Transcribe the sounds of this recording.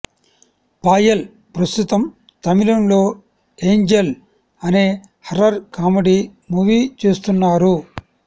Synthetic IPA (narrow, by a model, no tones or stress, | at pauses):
paːjɐl | pɾɐst̪ut̪ɐm | t̪ɐmilɐnlo̞ː | e̞ːɲd͡ʒel | ɐneː | hɐɾɐɾkaːmɐɽimuːʋiːt͡ʃeːst̪unːaːɾu